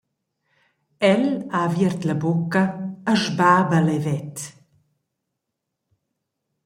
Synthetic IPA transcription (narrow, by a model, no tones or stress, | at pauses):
ɛlavjiɛɾt̪lɐbokːɐːʒbaːbalɛvɛt̪